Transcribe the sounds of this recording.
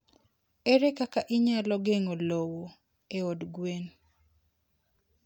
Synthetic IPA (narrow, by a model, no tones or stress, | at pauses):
eɾekakaʔiɲalɔɡeŋolowo | eodɡwen